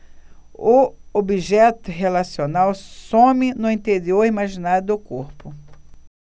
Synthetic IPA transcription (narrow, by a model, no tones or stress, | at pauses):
ʊobiʒɛt̪ʊɦelasionawsõmɪnʊĩnt̪eɾioɾimaʒinad̪ʊʊkoɾpʊ